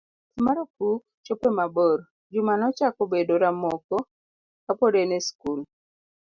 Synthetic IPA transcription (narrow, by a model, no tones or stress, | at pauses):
imaɾokuk̚ | t͡ʃopemabɔɾ | d͡ʒumanɔt͡ʃakɔbedoɾamɔkɔ | kapɔdeneskul